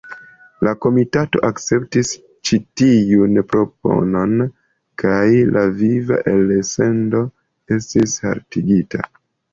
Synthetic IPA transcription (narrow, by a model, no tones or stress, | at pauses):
lako̞mitato̞̰ʔakt͡se̞p̚tis | t͡ʃitijunpɾo̞p̚o̞̰no̞n | kʰajlʔaviva̰ʔelese̞ndo̞ | e̞stisha̰ɾtiɡita̰